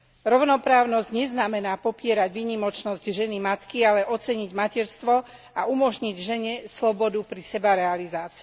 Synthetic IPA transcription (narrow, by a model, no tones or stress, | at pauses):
ɾɔʊnɔpɾaːʊnɔzɟɲɛznamɛnaːpɔpɪɛɾaɟʋiːɲimɔt͡ʃnɔzɟʒɛnimat̪kialɛʔɔt͡sɛɲiɟmacɛɾst̪ʋɔ | aumɔʒɲiɟʒɛɲɛslɔbɔd̪upɾisɛbaɾɛalizaːt͡si